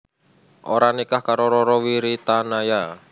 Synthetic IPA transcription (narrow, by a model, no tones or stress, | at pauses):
ʔoɾanikahkaɾoɾɔɾɔwiɾit̪anaja